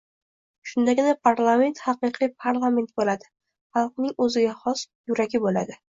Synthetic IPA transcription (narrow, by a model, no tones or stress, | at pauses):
ʃʊnd̪aɡʲɪnapʰaɾlˠame̞nt̪hɑqɨqʰɨpʰaɾlˠame̞nt̪̚bolad̪ɪ | χɑlˠqnɪŋɵzɪɡʲahɒs | jʊɾaɡʲɪbola̰d̪ɪ